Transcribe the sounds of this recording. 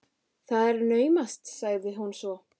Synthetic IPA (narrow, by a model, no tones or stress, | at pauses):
θaðɛɾnœːɥmast̪saɣðɪɦunsvɔ